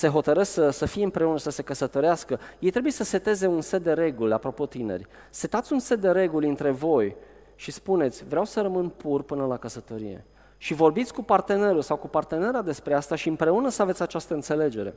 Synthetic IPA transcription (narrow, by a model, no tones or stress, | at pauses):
se̞ɦo̞t̪əɾəsksəsəfijeɨmpɾe̞unəsəse̞kəsət̪o̞ɾeaskəjejt̪ɾe̞buje̞səse̞t̪e̞ze̞unset̪̚d̪e̞ɾe̞ɡulʲa̰pɾo̞po̞t̪ine̞̰rʲ | se̞t̪at̪sʲunse̞t̪̚d̪e̞ɾe̞ɡulʲɨnt̪ɾe̞vo̞j | ʃispune̞t̪sʲvɾeawsəɾəmɨnpurpɨnəlakəsət̪o̞ɾḭjḛ | ʃivo̞rbit̪sʲkupart̪e̞ne̞ɾulsawkupart̪e̞ne̞ɾad̪e̞spɾe̞ast̪aʃiɨmpɾe̞unəsəavesʲat͡ʃast̪əɨnt̪se̞le̞d͡ʒe̞ɾe̞̰